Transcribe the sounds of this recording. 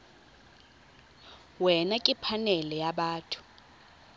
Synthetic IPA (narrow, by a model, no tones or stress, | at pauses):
wɛnakʼipʰanɛlɛjaɓaːtʰu̥